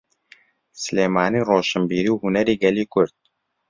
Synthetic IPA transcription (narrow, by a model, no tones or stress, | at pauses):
sʲlemaːniɾoʃəmbiɾiwhunæɾiɡælʲikʰɵɾt̪̚